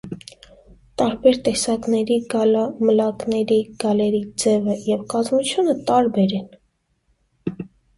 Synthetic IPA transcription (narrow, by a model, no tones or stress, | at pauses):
t̪ɑɾbɛɾt̪ɛsɑknɛɾiɡɑlɑməlɑknɛɾiɡ̥ɑlɛɾid͡zɛvəjɛvkɑzmut͡ʃʰjunət̪ɑɾbɛɾɛn